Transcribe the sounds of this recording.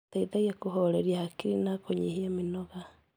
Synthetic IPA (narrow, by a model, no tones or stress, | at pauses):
taiðaɣiakoɦoɾeɾiahakiɾinakoɲiɦiaminɔɣa